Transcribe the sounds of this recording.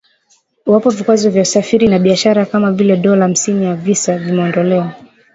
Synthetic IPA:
wapɔvikwazɔvjausafiɾinaɓiaʃaɾakamavilɛɗɔlam̩sinijavisavimɛɔndɔlɛwa

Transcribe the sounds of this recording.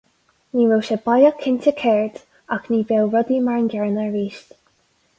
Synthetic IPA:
niːɹoːʃɛbajakʰɪntʲəkʰɛɹd | akniːbɛwɹɔd̪iːmaɹnɡʲɛɹnəɹiːʃt

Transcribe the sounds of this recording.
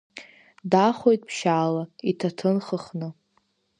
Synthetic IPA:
daχojtʼpʰʃaːlaitʰatʰɨnχəχnɨ

